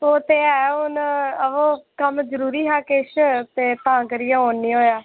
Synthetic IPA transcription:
oːt̪eːɛːʊnəʋoːkəmd͡ʒəɾuːɾiːɦaːkɪʃt̪eːt̪ãːkəɾijãːoːnːĩːɦoːjaː

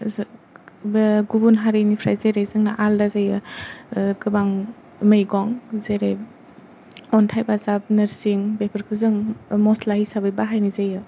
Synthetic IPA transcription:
ɡubunɦaɾɯjnipʰɾa̰jzeɾejzɯŋnaʔaldazajɯ | kɯbaŋ | mɯjɡɔŋzeɾej | ɔntʰajbazab̚nɯɾsiŋbepʰɯɾkʰɯzɯŋmɔslahisabɯjbaɦajnizajɯ

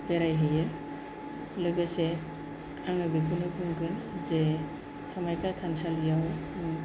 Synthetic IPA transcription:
bɛɾajɦɯje | lɔbesɛ | aŋɯbikʰunɯpʰuŋkʰɯnzɛ | tʰamajkʰat̪ʰansalijawm

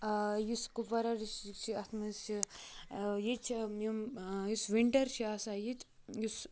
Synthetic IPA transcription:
juskupɐɾɐɾisit͡ʃʰiɐt̪ʰmɐnsi | jit͡ʃʰmɐmjusʋiɳʈɐɾt͡ʃʰiasajit̪ | jus

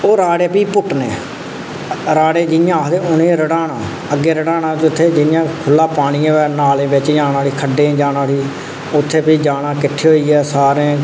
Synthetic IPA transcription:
oːɾaːɽeːpiːpʊʈnḛː | ɾaːɽeːd͡ʒɪnɪjãːd̪eːʊnẽːɾəɽaːɳãː | əɡːeːɾəɽaːnãːt͡ʃʊt̪ʰːeːd͡ʒɪnɪjãːkʰʊlːaːpaːɽ̃iːãːɛnaːlẽːbɪt͡ʃːd͡ʒaːnaːɽiːkʰəɖːẽːd͡ʒaːnaːɽiː | ʊt̪ʰːeːpiːd͡ʒaːnãːkɪʈʰːeːɦoːiːɛːsaːɾẽː

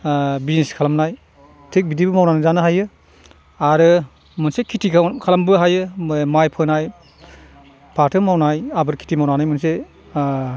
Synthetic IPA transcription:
bizneskʰalamnaj | tʰek̚bidibɯmawnanɯzanɯɦajɯ | aɾɯ | mɯnsekʰitʰikʰalambɯɦajɯmajpʰɯnaj | pʰatʰɯmawnajabɯɾkʰi̥tʰimawnanajmɯnse

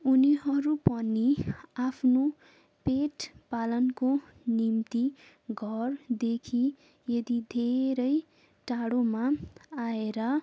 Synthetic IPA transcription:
uniɦʌɾupʌniapʰno | peʈpalʌnko | nimt̪i | ɡʱʌrd̪ekʰi | jʌd̪id̪ʱeɾʌj | ʈaɽomaaeɾʌ

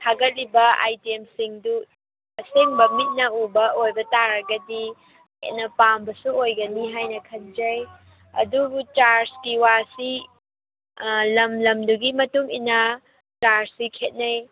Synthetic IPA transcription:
tʰaɡɐt̚libɐa̰jtiemsiŋdu | ɐseŋbɐmit̚nɐubɐojbɐtaɾɐɡɐdḭ | nɐpambɐsuojɡɐniɦajnɐkʰɐnd͡ʒɐj | ɐ̰duɡut͡ʃaɾskiwasi | lɐmlɐmduɡimɐtuŋḭnɐ | t͡ʃaɾsikʰet̚nɐj

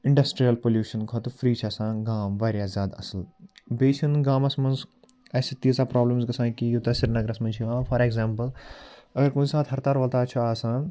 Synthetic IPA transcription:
ɪ̃ɳɖɐsʈɾijɐlpoːljuːʃɐnkʰɔt̪ufʰɾiːt͡ʃʰɐsãːɡaːmʋaːɾjaːzʲjaːd̪ɐ̰sɐlbeːt͡ʃʰinɡaːmɐsmɐnz | ɐːsit̪iːzaːpɾaːblɐmsɡɐsãːkijot̪ɐsiɾnɐɡɾɐsmɐnt͡ʃʰiʋãːfʰɐɾeːɡzaːmpɐlɐɡɐɾkuːsaːt̪ʰɦɐɾt̪aːɾʋɐlt̪aːt͡ʃʰuaːsãːn

